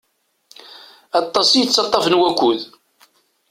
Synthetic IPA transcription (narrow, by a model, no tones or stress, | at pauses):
ɑt̪ˤːɑsijət͡sːɑt̪ˤːɑfənwækʷːuð